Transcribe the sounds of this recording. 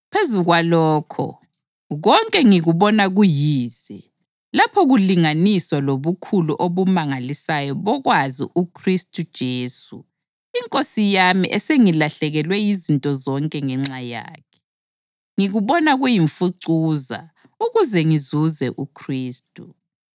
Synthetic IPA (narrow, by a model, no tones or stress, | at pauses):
pʰezuɣwalɔːkʰɔ̰ | ɣɔŋkʼɛŋiɣuβɔnaɣujiːzi | lapʰɔɣuliŋaniswaloβukʰuluʔoβumaŋalisajɔβɔɣwazḭʔukʰristʼud̥ʒ̥ʱeːsṵ | iŋkʼosijamḭʔɛseŋilaɬɛɣɛlwɛjizintʼɔzɔŋkʼɛŋɛŋ͡ǁaja̰ːkʰɛ̥ | ŋiɣuβɔnaɣujiɱfuǀuːza̰ | uɣuzɛŋizuzɛʔukʰriːstʼu